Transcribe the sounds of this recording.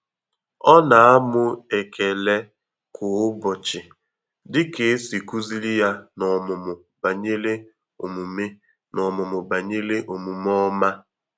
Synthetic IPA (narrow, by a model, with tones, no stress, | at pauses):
ɔ˦na˨a˦mʊ˦e˨kʰe˨le˦ | kʊ˨ʊ˦bɔ˨t͡ʃɪ˨ | dɪ˦ke˨˦si˨ku˦zi˦li˦ja˦nɔ˨mʊ˨mʊ˨ | ba˨ɲe˦le˦ | o̰˨mu˨me˦ | nɔ˨mʊ˨mʊ˨ba˨ɲe˦le˦ʔo˨mu˨m˦ɔ˦ma˦